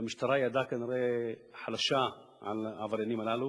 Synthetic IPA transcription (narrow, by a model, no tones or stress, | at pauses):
miʃt̪aɾˤajad̪akaniɾeħalaʃa | ʕa̰lavaɾjanimalalu